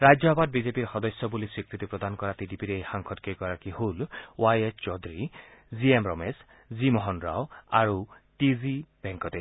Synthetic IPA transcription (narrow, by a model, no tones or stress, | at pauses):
ɾajd͡ʒjɔɦbad̚bizepiɾxɔd̪ɔsjɔbulisɹikɾit̪ipɾɔd̪ankɔɹatidipiɾejxaŋkʰɔtkejɡɔɹakihulwajet͡ʃt͡ʃɔd̪ɾiziemɾɔmes | zimɔɦɔnɾa̰waɹu | tizibeŋkɔt̪e